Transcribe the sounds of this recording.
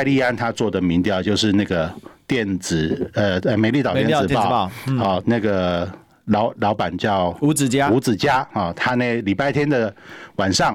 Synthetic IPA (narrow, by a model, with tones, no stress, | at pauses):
ɪli˥˧a˥˦nt̪ʰa˦t͡swɔ˥˩d̪ə˩mi˧˦ŋt̪jɑ˥˨˩ʊt͡ɕjo˥˧ʊʂɻ̩˥˧na˥˩ɡə˩t̪jɛ˥˩nt͡sɹ̩˨˩ə˧ə˧˩me˨˦ɪli˥˩ɑ˨˩tjɛ˥˧n˩˨t͡sɹ̩˨˩pɑ˥˩ʊ˥˨ɔ˥˨˩na˥˩ɡə˩ | lɑ˧˥ʊlɑ˧˥ʊpa˨˩nt͡ɕjɑ˥˩ʊu˧˥t͡s̩˨˩t͡ɕa˦˥u˧˥t͡sɹ̩˨˩t͡ɕja˦˥hɔ˥˩t̪ʰa˦ne˥˩ɪli˨˩pa˥˩ɪt̪ʰjɛ˥nd̪ə˨wa˨˩nʂɑ˥˩ŋ